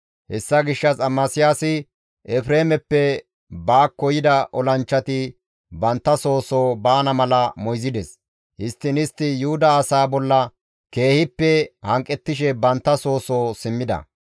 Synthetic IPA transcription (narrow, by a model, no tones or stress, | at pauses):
hɛsːɐɡɪʃːɐsʼɐmːasɪjasɪ | ɛfɾeːmɛpːɛ | baːkːɔjɪd̪ɐʔɔlɐnt͡ʃːɐt̪ɪ | bɐnt̪ːɐso̞ːsoːbaːnɐmɐlɐmɔjzɪd̪ɛs | hɪst̪ːɪnɪst̪ːɪjuʊd̪ɐːsaːbɔlːɐ | ke̞ːhɪpːɛhɐŋkʼːɛt̪ːɪʃ̬ɛbɐnt̪ːɐso̞ːso̞ːsɪmːɪd̪ɐ̰